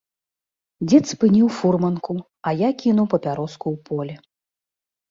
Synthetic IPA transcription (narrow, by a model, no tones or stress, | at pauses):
d͡zʲɛt̪spɨnʲiwfurmɐnku | ɐjakʲinuwpɐpʲaɾɔskuwpɔlʲɛ